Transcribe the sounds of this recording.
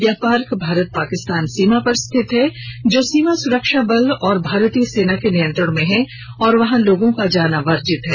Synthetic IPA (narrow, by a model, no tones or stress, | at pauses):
japaːɾkbʱaːɾət̪̚paːkɪst̪aːnsiːmapɐɾst̪ʰɪt̪ɦɛd͡ʒoːsiːmasʊɾəkʃabɐld̪ɔːɾbʱaːɾt̪iəseːnakenijə̃nt̪ɾəɽ̃mẽɦɛ̃ | ɔːɾʋɐɦãloːɡõkad͡ʒaːnaʋɐɾd͡ʒɪt̪ɦɛː